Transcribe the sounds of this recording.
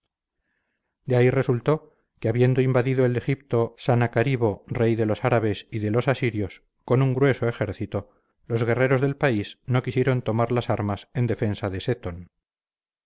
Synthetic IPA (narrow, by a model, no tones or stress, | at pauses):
d̪eaire̞sult̪o̞ | keaβje̞nd̪o̞imbaðiðoele̞xip̚t̪o̞sanakaɾiβo̞re̞jðe̞lo̞saɾaβe̞siðe̞lo̞sasiɾjo̞s | ko̞nuŋɡɾwe̞soe̞xe̞ɾθit̪o̞ | lo̞zɣe̞re̞ɾo̞zðe̞lpaisno̞kisje̞ɾo̞nt̪o̞maɾlasaɾmase̞nd̪e̞fe̞nsaðe̞set̪on